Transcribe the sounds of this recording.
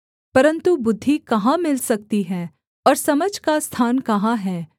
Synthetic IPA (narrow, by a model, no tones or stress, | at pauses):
pɐɾə̃nt̪ubʊd̪ʱːikɐɦãmɪlsɐk̚t̪iɦɛː | ɔːɾsɐməd͡ʒʱkast̪ʰaːnkɐɦãɦɛː